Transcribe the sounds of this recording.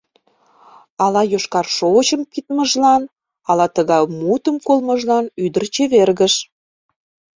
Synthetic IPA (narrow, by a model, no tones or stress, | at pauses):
ɑlɑjoʃkɑrʃot͡ɕəmpit̪məʒlɑn | ɑlɑt̪əɣɑjmut̪əmkolməʒlɑnyd̪ərt͡ɕeβerɣəʃ